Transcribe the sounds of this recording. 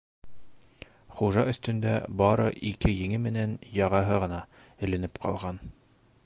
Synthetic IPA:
χuʒɑɵ̆θt̪ɵ̆nd̪æ̰bɑɾɤ̰ʔikɘjɘ̆ŋɘmɘ̆nænjɑʁɑɦɤʁɤ̆nɑ | ɘ̆lɘ̆nɘpqɑ̰lˠʁɑn

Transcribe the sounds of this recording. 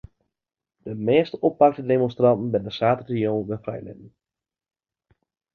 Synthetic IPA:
d̥əmeːstəʔɔpːɑk̚tədemɔnstrɑntn̩bɪndəsaːtətijownʋəfrɛ̰jlɪ̰dən̩

